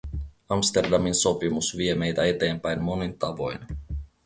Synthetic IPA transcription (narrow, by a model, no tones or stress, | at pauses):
ɑmst̪e̞rdɑminso̞pimusʋie̞me̞jt̪æe̞t̪e̞ːmpæjnmo̞nint̪ɑʋo̞jn